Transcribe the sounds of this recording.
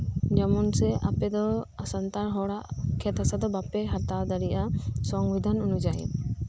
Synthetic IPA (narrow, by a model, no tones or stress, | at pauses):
d͡ʒɔmɔnsɛʔa̰pɛd̪ɔasant̪aɾɦɔɽaʔkʰɛt̪asad̪ɔbapɛɦat̪ad̪aɾiʔasɔŋɡid̪ʱanunud͡ʒaḭm